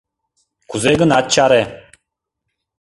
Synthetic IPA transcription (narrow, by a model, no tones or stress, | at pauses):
kʰuzeɡənat̪̚t͡ʃaɾe